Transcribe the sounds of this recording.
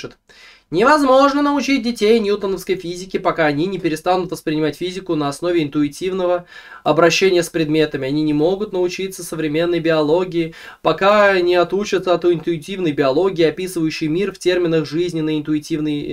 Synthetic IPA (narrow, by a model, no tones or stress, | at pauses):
ɨt̪ | nʲɪvɐzmo̞ʐnənəʊt͡ɕit̚ʲdʲɪtʲejnʲjut̪ənəfskəjfʲizʲɪkʲɪpɐkaɐnʲinʲɪpʲɪɾʲɪst̪anʊt̪vəspɾʲɪnʲɪmatʲfʲizʲɪkʊnəɐsno̞vʲɪɪnt̪ʊɪtʲivnəvə | ɐbɾɐɕːenʲɪjəspɾʲɪd̪mʲe̞t̪əmʲɪɐnʲinʲɪmo̞ɡʊt̪nəʊt͡ɕit̪səsəvɾʲɪmʲe̞nːəjbʲɪɐlˠo̞ɡʲɪɪ | pɐkaɐnʲɪɐt̪ut͡ɕət̪səɐt̪uɪnt̪ʊɪtʲivnəjbʲɪɐlˠo̞ɡʲɪːɐpʲisɨvəjʉɕːɪjmʲirftʲe̞rmʲɪnəxʐɨzʲnʲɪnəɪnt̪ʊɪtʲivnɨj